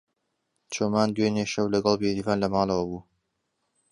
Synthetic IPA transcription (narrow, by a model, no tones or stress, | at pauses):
t͡ʃʰoːmaːnd̪weːneʃɐwlɐɡɐlˠbeɾivaːnlɐmɑːlˠɐwɐbuː